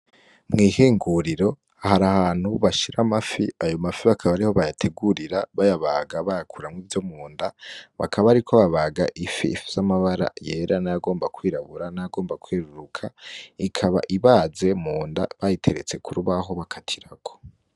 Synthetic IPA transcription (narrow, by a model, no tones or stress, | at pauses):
mŋiːheːŋɡuɾiɾo̞ | ahaɾahaːn̥huβaʃiɾamafiajo̞mafiβakʰaβaɾiho̞βajatʰe̞ɡuɾiɾaβajaβaɡaβajakʰuɾamŋiːvjo̞muːndaβa̰kʰaβaɾikʰo̞βaβaɡaʔifḭfiz̥amaβaɾa̰je̞ːɾanajaɡo̞ːmbakwiːɾaβuɾanajaɡo̞ːmbakweːɾuɾukʰaikʰaβa̰ʔiβaːze̞muːnda̰βajitʰe̞ɾet͡se̞kʰuɾuβaɦo̞βakʰatʰiɾakʰo̥